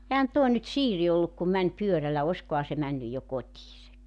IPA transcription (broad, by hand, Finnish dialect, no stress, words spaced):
ehæn tuo nyt siːri olːuk kum mænʲ pyørælːæ oskohɑ se mænːyj jo kotiːsek